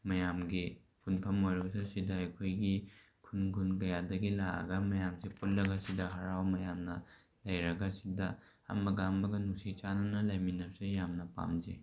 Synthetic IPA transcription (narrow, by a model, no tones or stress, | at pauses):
mɐjamɡi | punpʰɐmojɾɐbɐsɐsidaɐjkʰojɡi | kʰunkʰunkɐjadɐɡilaɐ̰ɡɐmɐjamsepunɾɐɡɐsidɐɦɐɾawmɐjamnɐ | lɐjɾɐɡɐsidɐ | ɐ̰mɐɡaːmbɐɡɐnuksit͡ʃanɐnɐlɐjminɐp̚sejamnɐpa̰mze